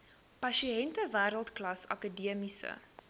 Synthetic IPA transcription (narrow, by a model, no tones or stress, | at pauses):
pɐʃiɛntəvæːɾəlˠtklɐsɐ̰kədiəmisə̰